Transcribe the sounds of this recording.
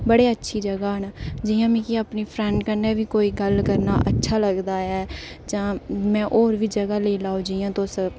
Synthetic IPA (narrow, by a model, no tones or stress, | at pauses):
bəɽeːətːʃʰiːd͡ʒəɡaːənad͡ʒiːjãːmĩːkɪaːpniːpʰɾɛːɳɖkəɾneːʋiːkoːiːɡəlkəɾnaːʔətːʃʰaːləɡd̪aːɛː | d͡ʒãːmɛ̃ːʔoːɾʋiːd͡ʒəɡaːleːlaːoːd͡ʒijãːt̪õsə